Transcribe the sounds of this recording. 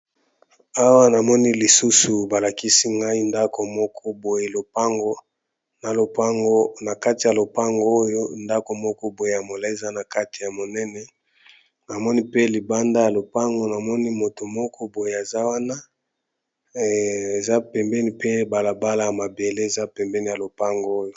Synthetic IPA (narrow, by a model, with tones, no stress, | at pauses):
a˦wa˦na˨mɔ˦ni˦li˨su˦su˨ba˨la˨ki˦si˦ŋɡa˦i˦nda˦ko˨mɔ˦kʰɔ˦bo˨je˨lo˨pa˦ŋɡo˦ | na˨lo˨pa˦ŋɡo˦na˨ka˦ti˨ja˨lo˨pa˦ŋɡo˦o˦jo˦nda˦ko˨mɔ˦kɔ˦bo˨je˨a˨mo˨la˦e˨za˦na˨ka˦ti˨ja˨mo˨nɛ˦nɛ˦ | na˨mɔ˦ni˦pe˦li˨ba˦nda˦ja˨lo˨pa˦ŋɡo˦na˨mɔ˦ni˦mo˨to˨mɔ˦kɔ˦bo˨je˨e˨za˦wa˦na˦ | e˨za˦pɛ˨mbɛ˦ni˦pe˦ba˨la˨ba˦la˦ja˨ma˨be˨le˦e˨za˦pɛ˨mbɛ˦ni˨ja˨lo˨pa˦ŋɡo˦o˦jo˨